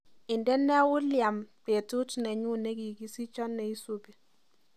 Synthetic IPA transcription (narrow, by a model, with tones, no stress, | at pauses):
ɪ˨ndɛ˦nːɛ˦wʊ˦lja˨mpe˨tu˦tnɛ˨ɲu˦ne˦ki˨ki˦si˦t͡ʃɔ˦nːɛ˨i˦so˦be˨